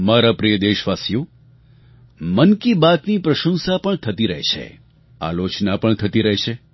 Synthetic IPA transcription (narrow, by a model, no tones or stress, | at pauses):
maɾapɾijəd̪eʃʋasjũ | mənkibat̪nipɾəʃə̃nsapəɳt̪ʰət̪iɾəɦt͡ʃʰḛ | a̰lot͡ʃnapəɳt̪ʰət̪iɾəɦeʃʰe